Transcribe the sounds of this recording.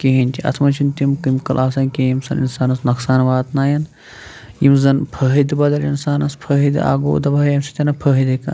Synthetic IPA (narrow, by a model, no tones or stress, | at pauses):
keɦinʲt̪ʲʰiɐ̰t̪ʰmɐt͡ʃʰint̪ʲimkɨmkɐlʔaːsɐnkejimsɐnḭnsaːnɐsnɐksaːnʋaːt̪naːjɐn | jimzɐnpʰɐɦid̪ibɐd̪ɐlinsaːnɐspʰɐɦid̪a̰ːɡo̰ːd̪ɐbɐjɐmsi̥t̪ʲɐnɐpʰɐɦid̪ikɐ̰n